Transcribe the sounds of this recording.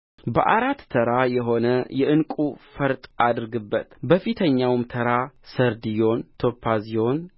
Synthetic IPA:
bəʔaɾat̪ːʰəɾajɛɦo̞nəjɛʔɨnkʼufəɾt̪ʼad̪ɨɾɡɨbːət̪bəfit̪ʰəɲːawmt̪ʰəɾasəɾd̪ijo̞nt̪ʰo̞pʰːazijo̞n

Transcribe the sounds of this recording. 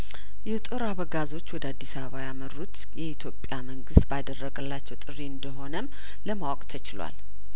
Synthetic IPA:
jɛt̪ʼɨɾaβəɡazo̞t͡ʃːwɔd̪əad̪ːisaβəβajamərut̪ | jɛit̪ʰjo̞pʼjaməŋɡɨst̪bad̪ərːəɡəlːat͡ʃːɛwt̪ʼɨriɨnd̪əɦo̞nəm | ləmawɔkʼt̪ʰət͡ʃɪlwa̰l

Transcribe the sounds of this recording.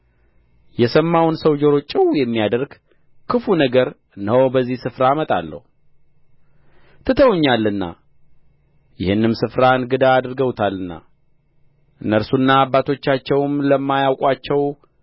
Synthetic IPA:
jɛsəmːawnsəwd͡ʒoɾo̞t͡ʃʼːɪwjɛmːijad̪əɾɡ | kʰɨfunəɡəɾ | ɨnwbəzːihsɨfɾaːmət̪ʼa̰lːə̰hu | t̪ʰɨt̪ʰəwɲːalːɨnːa̰ | jɪhɨnːɨmsɨfɾanɡɨd̪aːd̪ɾɡəwt̪ʰalːɨnːa̰ | ʔɨnːəɾsunːaːbːat̪ʰo̞t͡ʃːat͡ʃːɛwmləmːajawkʼwat͡ʃːɛw

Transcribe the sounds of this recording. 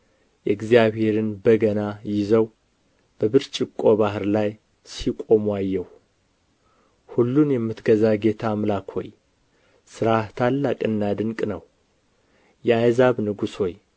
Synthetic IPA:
jɛɡzijaβhe̞ɾɨnbəɡənajɪzəw | b̥əβɨɾt͡ʃʼɪkʼːo̞βahɨɾlaj | sikʼo̞mwajːɛw | hulːunjɛmːɨt̪ɡəzaɡe̞t̪ʰamlakʰo̞̰j | sɨɾaht̪ʰalːakʼɨnːad̪ɨŋkʼnəw | jɛajzaβnɨɡusho̞j

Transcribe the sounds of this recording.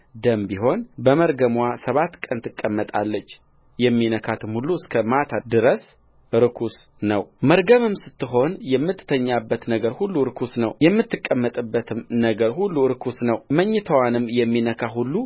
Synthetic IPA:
d̪əmbiɦo̞nbəməɾɡəmwasəβat̪ːkʼənt̪ʰɨkʼːəmːət̪ʼa̰lːət͡ʃː | jɛmːinəkʰat̪ʰɨmhulːuɨskʰəmat̪ʰad̪ɨɾəs | ɨɾɨkʰusnəwməɾɡəmɨmsɨt̪ːɨɦo̞njɛmːɨt̪ːt̪ʰəɲːabːət̪nəɡəɾhulːuɾkʰusnəwjɛmːɨt̪ːɨkʼːəmːət̪ʼɨbːət̪ʰɨmnəɡəɾhulːuɨɾkʰusnəwməɲːɨt̪ʰəwanɨmjɛmːinəkʰaɦulːu

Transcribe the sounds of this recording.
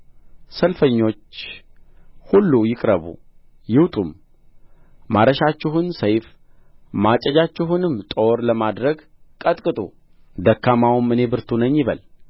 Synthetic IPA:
səlfəɲːo̞t͡ʃː | hulːujɪkʼɾəβṵ | jɪwt̪ʼum | aɾəʃat͡ʃːɪɦʊnsəjf | mat͡ʃʼːɛd͡ʒat͡ʃːɪɦunɨmːt̪ʼo̞ɾləmad̪ɾəɡ | kʼət̪ʼkʼɨt̪ʼṵ | d̪əkːamawmɨne̞bɨɾt̪ʰunəɲːɪβəl

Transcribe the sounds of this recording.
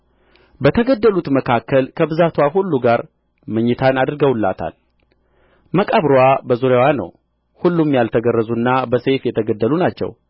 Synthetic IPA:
bət̪ʰəɡəd̪ːəlut̪məkʰakːəlkʰəbɨzat̪waɦulːuɡaɾ | məɲːɪt̪ʰanad̪ɾɡəwlːa̰t̪ʰa̰l | məkʼaβɾwabəzuɾjawanə̰w | hulːumjalt̪ʰəɡərːəzunːabəse̞fjɛt̪ʰəɡəd̪ːəlunat͡ʃːɛ̰w

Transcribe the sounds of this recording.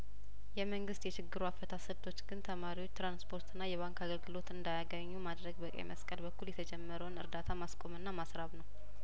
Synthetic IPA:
jɛməŋɡɨst̪jɛʃɪɡːɨɾuafːət̪ʰasɨβt̪ʰo̞t͡ʃːɡ̥ɨnt̪ʰəmaɾiwot͡ʃːt̪ɾanspʰo̞ɾt̪ɨnːajɛβaŋkaɡəlɡɨlo̞t̪ɨnd̪ajaɡəɲːumad̪ɾəɡbəkʼə̰jməskʼəlbəkʰːuljɛt̪ʰəd͡ʒɛmːəɾəwnɨɾd̪at̪ʰamaskʼo̞mɨnːamasɾaβnəw

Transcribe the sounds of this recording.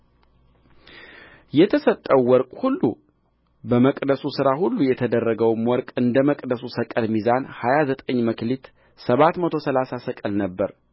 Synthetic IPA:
jɛt̪ʰəsət̪ʼːəwːɔɾkʼhulːṵ | bəməkʼd̪əsusɨɾahulːujɛt̪ʰəd̪ərːəɡəwmwɔɾkʼɨnd̪əməkʼd̪əsusəkʼəlmizanhajazət̪ʼəɲːməklit̪ | səβat̪mət̪ʰo̞səlasasəkʼəlnəbːəɾ

